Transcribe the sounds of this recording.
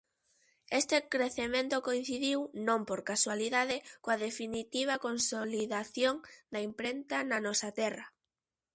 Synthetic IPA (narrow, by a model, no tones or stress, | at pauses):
est̪ɪkɾeθemẽnt̪okoĩn̟θiðiwnõmpoɾkaswaliðaðɪkoɐðefinit̪iβ̞ɐkonsoliðaθjoŋd̪ɐimpɾent̪ɐnɐnɔsɐt̪ɛrɐ